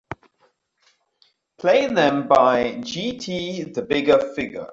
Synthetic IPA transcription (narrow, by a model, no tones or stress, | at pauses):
pʰl̥eɪðə̃mbaɪd͡ʒiːtʰiːðəbɪɡəfɪɡə̰